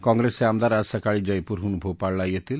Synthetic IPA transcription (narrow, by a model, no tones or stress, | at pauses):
kɔŋɡɾeseamd̪aɾasakaɭid͡ʒajpuɾɦunubʱobpaɽlajet̪ʰil